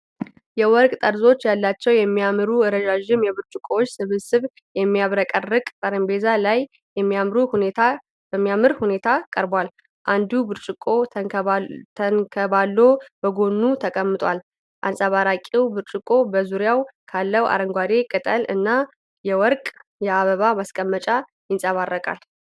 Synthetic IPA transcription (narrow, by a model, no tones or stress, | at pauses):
jɛwɔɾkʼt̪ʼəɾzo̞t͡ʃːjalːat͡ʃːɛwjɛmːijamɾuɨɾəʒaʒɪmjɛβɨɾt͡ʃʼɪkʼoot͡ʃːsɨβɨsɨβ | jɛmːijaβɾəkʼərːɨkʼt̪ʼəɾəmbe̞zalaj | jɛmːijamɾuhuet̪ʰa | b̥əmːijamɨɾhune̞t̪ʰakʼəɾbwal | ʔand̪ubɨɾt͡ʃʼɪkʼo̞ | t̪ʰənkʰəbalːobəɡo̞nːut̪ʰəkʼəmːɨt̪ʼwal | ʔa̰nsʼəβaɾakʼiwbɨɾt͡ʃʼɪkʼːo̞bəzuɾjawkʰalːəwa̰ɾəŋɡʷwaɾe̞kʼɨt̪ʼəlɨnːa | jɛwɔɾkʼjɛaβəβamaskʼəmːət͡ʃʼa | jɪnsʼəβarːəkʼa̰l